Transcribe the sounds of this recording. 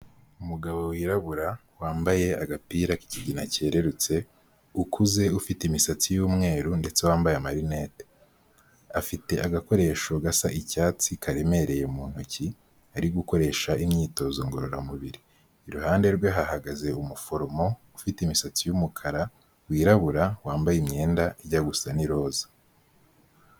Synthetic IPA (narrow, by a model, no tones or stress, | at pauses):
umuɡaβo̞wiːɾaβuɾawaːmbaje̞aɡapiːɾaki̥ciɟinace̞ːɾe̞ɾut͡se̞ | ukʰuze̞ufitimisat͡sijuːmŋe̞ːɾunde̞t͡se̞waːmbajamaɾine̞ːte | afite̞ʔaɡako̞ɾe̞ʃoɡasaʔicaːt͡sikʰaɾe̞me̞ɾe̞jemuːn̥huci | aɾiɡuko̞ɾe̞ːʃaimɲiːto̞zoŋɡo̞ɾo̞ɾamuβiɾiː | ɾuɦaːnde̞ɾɡweɦahaɡaze̞umufo̞ɾomo̞ufitimisat͡sijumukʰaɾa | wiːɾaβuɾawaːmbajimɲe̞ːndaiɟaɡusaniɾo̞ːzḁ